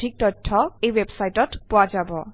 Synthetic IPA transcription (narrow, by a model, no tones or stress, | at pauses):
ik̚tɔtʰːɔejwebsajtɔtpʊad͡ʒabɔ